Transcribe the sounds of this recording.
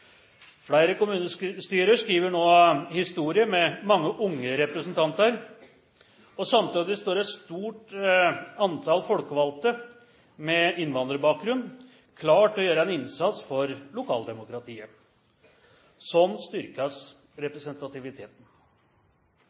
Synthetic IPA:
fɽæɪɾəkʊmʉːnəsst̪yːɾəʂkɾiːʋəɳoːhɪst̪uːɾɪəmɛmɑŋːəʔʊŋːəɾɛpɾəsnt̪ʰɑnt̪əɾ | ɔsɑmt̪ʰyd̪ɪst̪oːɾɛt̪st̪uːʈ | ɑnt̪ʰɑlfɔlkəʋɑlt̪ə | mɛɪnʋɑnd̪ɾəbɑːk̚ɡɾʉnː | kʰlɑːʈɔjøːɾəɛnɪnsɑt̪sfɔɾlʊkʰɑ̰ːld̪ɛmʊkɾɑt̪ʰiːə | sɔnːst̪ʏɾkɑs | ɾɛpɾɛsənt̪ɑt̪ɪʋɪt̪ʰeːt̪n̩

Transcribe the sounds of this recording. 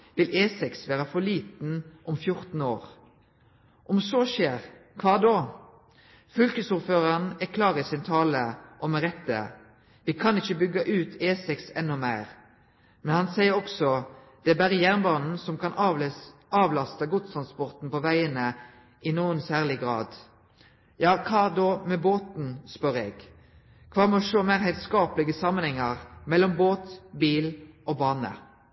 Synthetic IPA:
ʋɪlʔeːsɛksʋæːʁəfɔɭiːt̪n̩ʔɔmfjʊʁt̪n̩oːʁ | ʔɔmsɔːʃeːʁkʰʋɑːd̪o | fʏlkəsuʁføːʁɑnækʰlɑːʁəsɪnt̪ʰɑːləʔɔmɛʁɛt̪ːə̰ | ʋɪkʰɑnɪçəbʏɡɑʔʉːt̪ʰeːsɛksɛnːʊmæɪʁ | mɛnhɑnsæɪəɾɔksɔd̪̥ɛæbæːʁəjæʁnbɑːnn̩sɔmkʰɑn | ɑːʋlɑst̪əɡʊd̪st̪ʰʁɑnspɔʁt̪n̩pɔʋæɪənə | ɪnuːənsæːʁlɪɡʁɑ̰ːd̪ | jɑːkʰɑːd̪ɔmɛboːt̪n̩spœɾɛɡ | kʰʋɑːmɛɔʂoːmæɪʁɦæɪt̪skɑːplɪɡəsɑmːənhɛŋːəʁmɛlːɔmboːt̪biːlʔɔbɑːnə̰

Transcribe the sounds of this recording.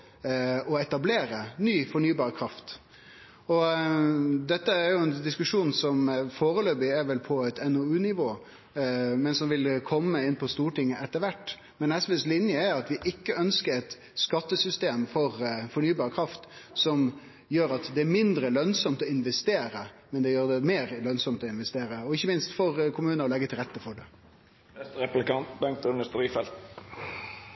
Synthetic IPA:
ɔɛt̪ɑbleːɾənyːfɔɳyːbɑːɾəkʰɾɑft̪ | ɔ | d̪ɛt̪ːəæɾjʊɛnd̪ɪskʉʂuːnsɔmfoːɾəløːbɪɛɾʋɛlpʰɔɛt̪ʰɛnoʉːnɪʋoː | mɛnsɔnʋɪlkʰɔmːəɪnːpʰɔst̪uːʈɪŋːəʔɛt̪ːəɾʋæʈː | mɛnɛsʋɛslɪnjəæɾɑt̪ʋɪʔɪkːəœnskəɾɛt̪ | skɑt̪ːəsʏst̪eːmfɔɾfɔɳyːbɑːɾəkʰɾɑft̪sɔm | jøːɾɑt̪d̪ɛæɾmɪnd̪ɾəlœnsɔmt̪ɔɪnʋɛst̪eːɾəmɛnd̪ɛjøːɾd̪ɛmeːɾlœnsɔmt̪ɔɪnʋɛst̪eːɾəɔɪçːəmɪnst̪fɔɾkʰʊmʉːnəɾɔlɛɡːət̪ʰɪlʁɛt̪ːəfɔɖɛ | ɛst̪ɾɛplɪkɑnt̪bɛŋk̚t̪ʉnd̪əst̪ɾiːfɛlt̪

